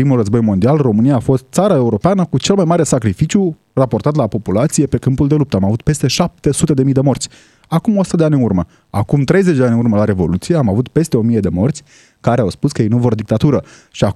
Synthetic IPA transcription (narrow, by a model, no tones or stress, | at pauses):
pɾimulrəzbo̞jmond̪ialro̞mɨnijaːfo̞st̪̚t̪saɾae̞uɾo̞peanəkut͡ʃe̞lmajmaɾe̞sakɾifit͡ʃju | rapo̞rt̪at̪lapo̞pulat̪sije̞pe̞kɨmpuld̪e̞lup̚t̪əamavut̪̚pe̞st̪e̞ʃap̚t̪e̞sut̪e̞d̪e̞mijd̪e̞mo̞rt̪sʲ | akumosut̪əd̪eanʲɨnurmə | a̰kumt̪ɾe̞jzet͡ʃd̪eanʲɨnurməlaɾe̞vo̞̰lut̪sijeamavut̪pe̞st̪e̞o̞mije̞d̪e̞mo̞rt̪sʲ | kaɾeawspuskəjejnuvord̪ik̚t̪at̪uɾə | ʃia